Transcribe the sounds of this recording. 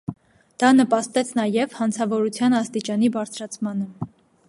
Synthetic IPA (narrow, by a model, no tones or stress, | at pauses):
d̪̥ɑnəpɑst̪ɛt͡sʰnɑjɛvhɑnt͡sʰɑvɔɾut͡sʰjɑnɑst̪it͡ʃɑnibɑɾt͡sʰɾɑt͡sʰmɑnə